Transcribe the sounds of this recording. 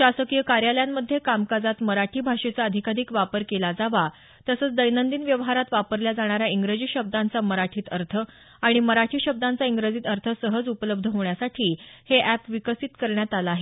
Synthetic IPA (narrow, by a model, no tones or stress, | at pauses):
ɕasəkijəkaɾjaljamːəd̪ʱːjekamkad͡zat̪məɾaʈʰiːbʱaʂet͡saəd̪ʱikad̪ʱiːkʋapəɾkelad͡zaʋa | t̪əsəːt͡sd̪əjnənd̪iːnʋjəʋɦaɾat̪ʋapəɾljad͡zaɽ̃aɾjaiŋɡɾəd͡ʑiːɕəb̚d̪ant͡saməɾaʈʰiːt̪əɾt̪ʰə | aɽ̃iməɾaʈʰiːɕəb̚d̪ant͡saiŋɡɾəd͡ziːt̪əɾt̪ʰəsəɦəd͡zupələb̚d̪ʱəɦoɳjasaʈʰiːheʔæpʋikəsiːt̪kəɾɳjat̪alaːɦe